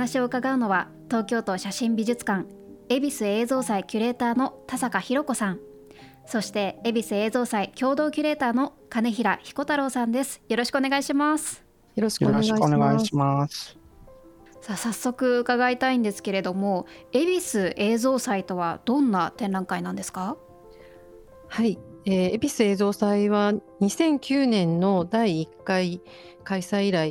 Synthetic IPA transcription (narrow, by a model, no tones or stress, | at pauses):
naɕio̞ɯ̟kaɡaɯ̟no̞βa | t̪o̞ːkʲo̞ːt̪o̞ɕaɕĩmbʲiʑɨt͡sɨ̥kãŋ | e̞bʲisɨe̞ːzo̞ːsaikʲɯɾe̞ːt̪aːno̞t̪asakaçiɾo̞ko̞sãɴ | so̞ɕi̥t̪e̞ːbʲisɨe̞ːzo̞ːsaikʲo̞ːd̪o̞ːkʲɯ̟ɾe̞ːt̪aːno̞ | kane̞çiɾaçi̥ko̞t̪aɾo̞ːsãnd̪e̞sɨ̥jo̞ɾo̞ɕi̥kɯone̞ɡaiɕimasɨ̥ | neɡaimas | sasasːo̞kɯ̟ɯkaɡait̪aĩnd̪e̞sɨ̥ke̞ɾe̞d̪o̞mo̞e̞bʲisɨʔe̞ːzo̞ːsait̪o̞β̞a̰d̪̥õ̞nːat̪ẽ̞nɾãŋkainãnd̪e̞sɨ̥ka | haieːebʲisɨe̞ːzo̞ːsaiβaɲ̟isẽ̞ŋkʲɨːnẽ̞nːo̞d̪aiːkːai | kaisaiiɾai